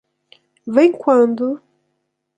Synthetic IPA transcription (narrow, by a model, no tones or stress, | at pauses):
vẽj̃kwɐ̃nd̪ʊ